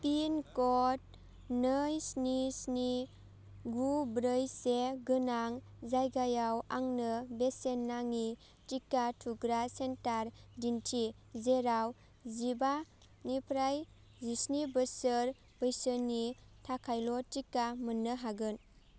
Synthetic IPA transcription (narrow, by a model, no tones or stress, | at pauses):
pinkɔt̚ | nəjsnisni | ɡubɾəjseɡɯnaŋ | zajɡajawa̰ŋnɯbesenːaŋi | tikːatʰuɡɾasentaɾdintʰi | zeɾaw | ziba | nipʰɾaj | zisnibəsəɾ | b̥əjsənitʰakʰajlɔtikːamənːɯɦaɡɯn